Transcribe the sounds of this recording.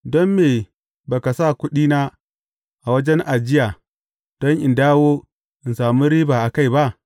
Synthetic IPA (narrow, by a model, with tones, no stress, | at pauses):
dɔ˦mːeː˨ | ba˨ka˨saː˦˨kʷʊ˦ɗiː˦naː˦ | ʔa˨wɐ˦d͡ʒɛ˦nʔa˨d͡ʒɪ˦jaː˨ | d̥ɔ˦ŋʔɪ˨ndaː˦woː˦ | ʔɪ˨nsaː˨mu˦ɾiː˦baː˨ʔa˨ka˦jba˦ʔ